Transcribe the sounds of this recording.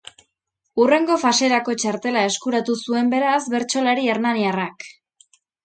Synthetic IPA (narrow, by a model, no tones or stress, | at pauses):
ure̞ŋɡo̞fase̞ɾako̞t͡ʃaɾt̪e̞lae̞skuɾat̪usue̞mbe̞ɾasβe̞ɾt͡ʃo̞laɾieɾnaniarak